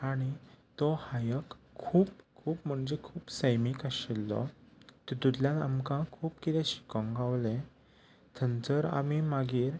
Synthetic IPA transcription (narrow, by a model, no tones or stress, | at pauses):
aɽ̃it̪ɔhajəkʰː | uːpkʰuːpm̤əɳd͡ʑekʰuːpsəjmikəɕelːɔ̰t̪ɔd̪ud̪ljãla̰mkãkʰuːpkit̪ɛ̃ɕi̥kə̃ŋɡaʋlẽ | t̪ʰənt͡səɾa̰mimaɡiːɾ